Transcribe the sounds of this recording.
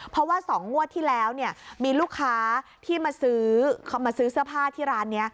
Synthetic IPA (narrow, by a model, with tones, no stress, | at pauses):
pʰɾɔ˦˥waː˥˩sɔː˩˦ŋŋu˥˩ət̪ʰːiː˥˩lɛː˦˥wni˥˩ɐmiː˧luː˥˩kʰːaː˦˥t̪ʰiː˥˩maː˧sɯː˦˥kʰmaː˧sɯː˦˥sɯ˥˩ɐpʰaː˥˩t̪ʰiː˥˩ɾaː˦˥nːi˦˥ɐ